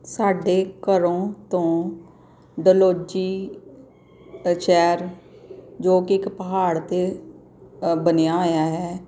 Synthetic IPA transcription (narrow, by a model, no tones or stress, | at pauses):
saːɖeːkəɾõːt̪õː | ɖəloːd͡ʒiː | t͡ʃɛːɾ | d͡ʒoːkɪɪkpəɦaːɽt̪eː | bənejaːoːjaːɦɛː